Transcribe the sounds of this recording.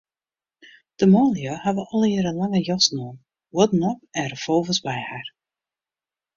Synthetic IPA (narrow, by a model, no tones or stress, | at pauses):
d̥əmoːljohaʋəʔɔlˠɪɾənlaŋəjɔsnoːn | wɔdənɔpɛrəfolˠvəsbɛjhar